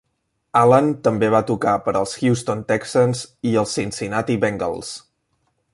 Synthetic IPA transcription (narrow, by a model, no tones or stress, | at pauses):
alənt̪əmbeβ̞at̪ukapəɾəlˠsxjust̪ont̪ɛksənziəlˠsinsinat̪iβɛŋɡə̰lˠs